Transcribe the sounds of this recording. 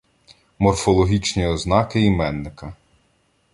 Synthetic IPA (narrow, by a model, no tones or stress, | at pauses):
mɔrfɔlˠɔɦʲit͡ʃnʲiɔznɑkɪimɛnːɪkɐ